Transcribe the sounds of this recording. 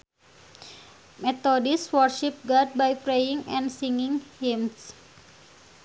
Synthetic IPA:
met̪odiswɔrʃip̚ɡad̚bajpɾejiŋɛ̰̃nsiŋiŋhims

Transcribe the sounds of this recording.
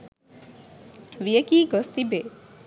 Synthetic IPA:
ʋijekiːɡɔst̪ibe

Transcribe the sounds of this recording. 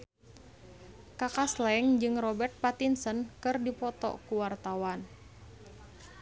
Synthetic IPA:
kakaslɛŋd͡ʒɨŋrɔbɛrt̪̚pat̪insənkɨrdipɔt̪ɔ̰kuwart̪awan

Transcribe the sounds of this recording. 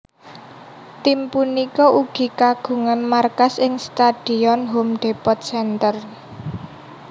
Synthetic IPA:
t̪impunikɔʔuɡ̥i̤kaɡ̥ṳŋanmarkasɪŋst̪ad̪̥i̤ɔnɦomɖ̪̥e̤pɔt̪̚sɛnt̪ər

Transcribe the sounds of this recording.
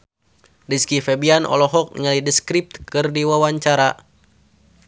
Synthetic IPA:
diskifɛbianʔɔ̰lɔɦɔk̚ŋalidəskɾip̚t̪kɨrdiwawaɲt͡ʃaɾa

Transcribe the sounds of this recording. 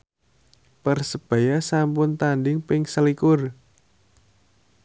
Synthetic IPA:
pərsəb̥a̤jasampʊnt̪andɪŋpɪŋsəlikʊr

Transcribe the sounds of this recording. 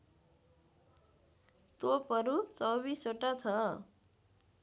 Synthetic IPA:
t̪opʌɾut͡sʌwbisoʈat͡sʰʌ

